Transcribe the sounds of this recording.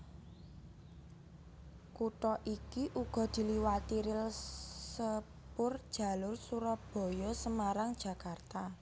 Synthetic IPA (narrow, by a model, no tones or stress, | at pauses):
kuʈɔʔikiʔuɡ̥ɔ̤d̪̥i̤liwat̪iɾɪlsə | pʊrd̥ʒ̥ä̤lʊrsuɾɔb̥ɔ̤jɔsəmaɾaŋd̥ʒ̥a̤kart̪a